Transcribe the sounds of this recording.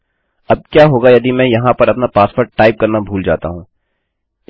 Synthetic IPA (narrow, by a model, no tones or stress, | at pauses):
ɐb̚kjaːɦoːɡajɐd̪imɛ̃ːjɐɦãpɐɾɐpnapaːspəɾʈaːɪp̚kɐɾnabʱuːld͡ʒa̰ːt̪a̰ɦũː